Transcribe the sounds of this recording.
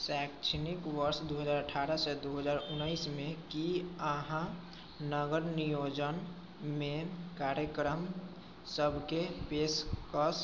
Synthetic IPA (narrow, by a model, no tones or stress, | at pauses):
sɛːkt͡ʃʰnikʋəɾsd̪oːɦəd͡ʒaːɾəʈʰaːɾəsed̪oɦəzaːɾʊnəɪsmẽkiəɦã | nəɡəɾnijoːd͡ʒən | mẽkaːɾjəkɾəm | səbʱkepeːskəs